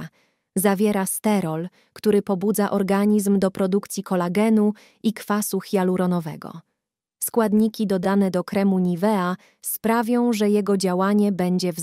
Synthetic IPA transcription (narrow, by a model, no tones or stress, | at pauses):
zavʲjɛɾast̪ɛɾɔl | kt̪uɾɘpɔbud̪zaʔɔɾɡaɲizmd̪ɔpɾɔd̪ukt̪sʲikɔlaɡɛnu | ikfasuxʲjaluɾɔnɔvɛ̰ɡɔ̰ | skwad̪ɲikʲid̪ɔd̪anɛd̪ɔkɾɛmuɲivɛa | spɾavʲjɔ̃w̃ʐɛjɛɡɔd͡ʑawaɲɛbɛɲd͡ʑɛv